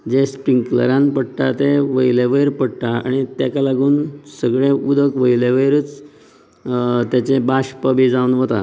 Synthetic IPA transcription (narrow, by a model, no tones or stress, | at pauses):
d͡ʑespɾiŋklə̰ɾãnpəɽʈ̪at̪eʋəjleʋəjɾpəɽʈ̪aa̰ɽ̃it̪jakalaɡuːnsəɡɭẽud̪ʱəkʋəjleʋəjɾət͡s | t̪jat͡ɕebaɕpəbid͡zaunʋət̪a̰